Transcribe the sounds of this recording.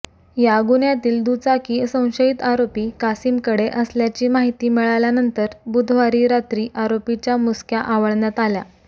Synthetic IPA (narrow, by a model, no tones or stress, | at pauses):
jaɡunjat̪iːld̪ut͡sakiːsə̃w̃ɕəit̪aɾopiːkasiːmkəɽeʔəsljat͡ɕiːmaɦit̪iːmiɭaljanənt̪əɾbud̪ʱʋaɾiːɾat̪ɾiːʔaɾopit͡ɕjamuskʰjaʔaʋəɭnjat̪alja̰